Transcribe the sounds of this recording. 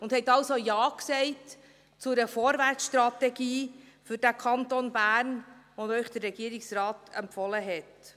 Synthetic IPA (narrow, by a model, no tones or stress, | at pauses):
ʊnd̥hɛtːɑlsojɑːksɛɪt | t͡sʊɾəfoːɾvært͡sʃtɾɑtɛɡiː | fʏɾd̥ækʰɑntonbæːrnʋonœʏχd̥ərːɛɡ̥iːəɾɪksrɑːtɛmpfɔləɦɛt